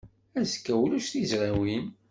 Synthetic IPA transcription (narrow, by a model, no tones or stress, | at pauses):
æzkːæwluʃθizʁawin